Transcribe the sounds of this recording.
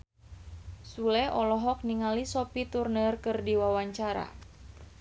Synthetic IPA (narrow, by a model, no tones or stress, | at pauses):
sulɛɔlɔɦɔk̚niŋalisɔpit̪urnərkɨrdiwawaɲt͡ʃaɾa̰